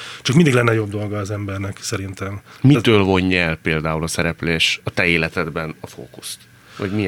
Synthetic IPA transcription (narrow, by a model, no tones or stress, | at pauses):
t͡ʃɒkmind̪iɡlɛnːɛjo̞bd̪o̞lɡɒːzɛmbɛrnɛksɛɾint̪ɛmmit̪øːlvo̞ɲːɛlpeːld̪aːulɒsɛɾɛpleːʃɒt̪ɛeːlɛt̪ɛd̪bɛnɒfo̰ːkust̪ | ɒ̰ɟmi